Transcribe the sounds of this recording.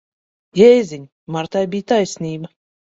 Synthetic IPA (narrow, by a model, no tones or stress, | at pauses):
jɛjzʲiɲʲ | maɾt̪ajbʲijt̪ajsʲnʲiːba